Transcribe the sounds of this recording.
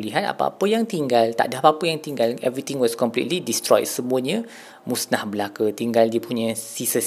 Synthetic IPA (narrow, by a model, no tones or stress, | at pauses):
liɦana̰pa̰a̰pəjaŋt̪iŋɡalt̪a̰ʔdaapaːpəjaŋt̪iŋɡalɛvɹit̪ĩŋwɔskɔmplḭtlidist̪ɾɔ̰jt̚səmũəɲə̃ | musnahbəlakut̪iŋɡaldiəpuɲə̃sisə